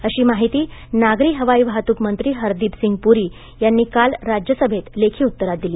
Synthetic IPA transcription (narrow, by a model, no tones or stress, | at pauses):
əɕiːmaɦit̪iːnaɡɾiːɦəʋaiːʋɦat̪uːkmənt̪ɾiːɦəɾd̪iːpsiŋɡ̚puɾiː | janːiːkalɾad͡ʑjəsəbʱet̪lekʰiːut̪ːəɾat̪̚d̪iliː